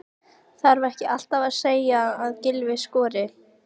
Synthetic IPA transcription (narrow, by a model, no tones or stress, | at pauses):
θaɾvaɾɛhcɪal̥t̪avaðseːjaːðcɪlvɪskɔːɾɪ